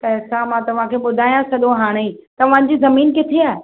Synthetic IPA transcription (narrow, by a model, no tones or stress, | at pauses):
pɐɦɪsãmãt̪ɐʋ̤ãkʰeːɓʊd̪ʱaːjãsɐɠõɦaːɽ̃eit̪ɐʋ̤ãd͡ʑizɐmiːnkɪt̪ʰeaːɦe